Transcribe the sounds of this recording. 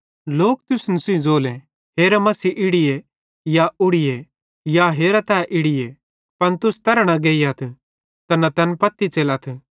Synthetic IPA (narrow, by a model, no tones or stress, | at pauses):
loːk̚t̪ʊsnɐsĩd͡zoːlɛ̃ | ɦeːɾɐmɐsiʔɪɽɪje | jaʊɽɪje | jaɦeːɾat̪ɛːʔɪɽɪje | pɐnt̪ʊst̪ɐɾɽ̃ãɡeːiɐt̪ʰ | t̪ɐnɐt̪ɐnpɐt̪ːit͡ʃeːlat̪ʰ